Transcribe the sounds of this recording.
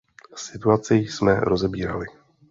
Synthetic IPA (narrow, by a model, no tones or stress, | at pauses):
sɪt̪uat͡sɪjsmɛɾo̞zɛbiːɾa̰lɪ